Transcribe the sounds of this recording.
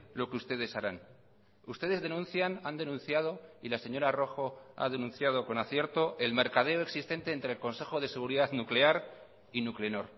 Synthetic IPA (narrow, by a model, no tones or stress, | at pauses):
lo̞keust̪e̞ð̞e̞saɾan | ust̪e̞ð̞ezðe̞nũnθjanand̪e̞nũnθjað̞o̞ilase̞ɲo̞ɾaro̞xo̞a̰ðe̞nũnθjað̞o̞ko̞naθje̞ɾt̪o̞e̞lme̞ɾkað̞e̞oe̞ksist̪e̞nt̪e̞ːnt̪ɾeːlko̞nse̞xo̞ð̞e̞se̞ɣuɾiðaðnukle̞aɾ | inukleno̞ɾ